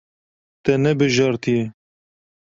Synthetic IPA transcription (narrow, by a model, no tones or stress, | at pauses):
t̪ɛnɛbɨʒɑɾt̪ʰije